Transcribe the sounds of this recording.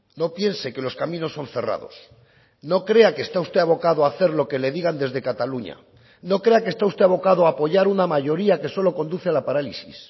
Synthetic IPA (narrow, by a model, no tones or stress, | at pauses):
no̞pje̞nse̞ke̞lo̞skamĩno̞sːo̞nθe̞ra̰ðo̞s | no̞kɾe̞akest̪aust̪e̞aβo̞kaðoaθe̞ɾlo̞ke̞le̞ðiɣand̪e̞zðe̞kat̪aluɲa̰ | no̞kɾe̞akest̪aust̪e̞aβo̞kaðoaːpo̞ʝaɾunamaʝo̞ɾiake̞so̞lo̞ko̞nd̪uθealapaɾalisḭs